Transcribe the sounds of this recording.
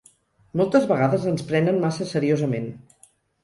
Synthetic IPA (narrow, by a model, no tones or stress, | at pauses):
mɔlˠt̪əzβəɣaðəzənspɾɛnənmasəsəɾiozəmen